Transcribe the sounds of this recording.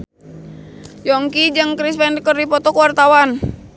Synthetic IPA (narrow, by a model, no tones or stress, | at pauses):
jɔŋkid͡ʒɨŋkɾispɛndkərdipɔt̪ɔkəwart̪awan